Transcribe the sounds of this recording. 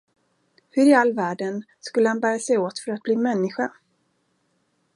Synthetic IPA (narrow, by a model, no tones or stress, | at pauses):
hɵɾɪalːvæːɖən | skɵlːəhanbæːɾasɛjoːt̪fœɾat̪̚bliːmɛnːɪɧa